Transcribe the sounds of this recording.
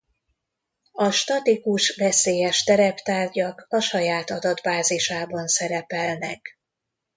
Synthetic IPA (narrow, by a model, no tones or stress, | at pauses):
ɒʃt̪ɒt̪ikuʃvɛseːjɛʃt̪ɛɾɛpt̪aːrɟɒkɒʃɒjaːt̪ɒd̪ɒd̪baːziʃaːbɒnsɛɾɛpɛlnɛk